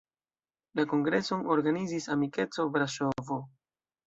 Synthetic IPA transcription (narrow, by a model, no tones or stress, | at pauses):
lako̞ŋɡɾe̞so̞noɾɡanizisamike̞t͡so̞vɾaʃovo